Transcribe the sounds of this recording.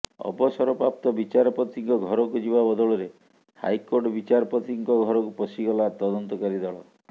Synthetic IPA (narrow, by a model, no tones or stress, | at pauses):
ɔ̰bɔsɔɾɔpɾap̚t̪ɔbit͡ʃaɾɔpɔt̪iŋkɔɡʱɔɾɔkud͡ʒibabɔd̪ɔɭɔɾe | ha̰jkoɾʈɔbit͡ʃaɾɔpɔt̪iŋkɔɡʱɔɾɔkupɔsiɡɔlat̪ɔd̪ɔnt̪ɔkaɾid̪aɭɔ̰